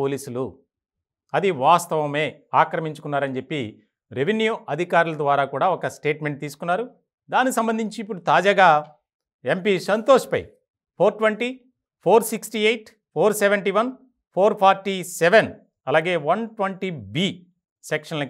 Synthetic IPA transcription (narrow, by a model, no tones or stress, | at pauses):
oːliːsulu | ɐd̪iʋaːst̪ɐʋɐme̞ː | aːkɾɐmiɲt͡ʃukunːaːɾɐnt͡ʃepːi | ɾeʋinjuʔɐd̪ʱikaːɾulɐd̪ʋaːɾaːkuːɽaːɔkɐsʈeːʈme̞ɳʈ̚t̪iːs̬u̥kunːaːɾu | d̪aːnikisɐmbɐnd̪ʱiɲt͡ʃiːpːuɽut̪aːd͡ʒaːɡaː | e̞mpiːsɐnt̪oːʂpɐ̰j | pʰoːɾʈʋeɳʈi | pʰoːɾsiksʈiejʈ | pʰoːɾseʋeɳʈiʋɐn | pʰoːɾpʰaːɾʈisɛʋen | ɐlaːɡe̞ːʋɐnʈʋɐɳʈibiː | sekʂɐnlɐk